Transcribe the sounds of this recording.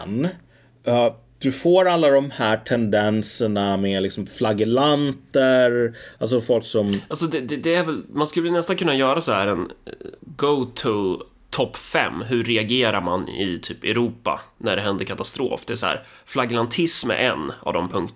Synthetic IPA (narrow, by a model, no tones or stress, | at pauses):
n | d̪̥ɵfoːɾalːad̪ɔmhæːʈʰɛnd̪ɛnsəɳamelɪksɔmflaɡɪlant̪əɾals̬ɔfɔlksɔmals̬ɔd̪ɛd̪ɛd̪ɛæɾvɛlmanskɵlːɛnɛst̪ankɵnːajœːɾasahæːɾɛnɡot̪ʰɵ | t̪ʰɔpːfɛ̰mːɦɵɾɛaɡeːɾaɾmanɪ̰t̪ʰyːpɛ̰ɾuːpa̰næɖɛɦɛnd̪əɾkʰat̪ast̪ɾo̰ːfd̪ɛæs̬ɔhæ̰ːɾflaɡlant̪ʰɪsmɛ̰ɾʔɛ̰nːa̰vd̪ɔ̰mpʰɵŋkt̪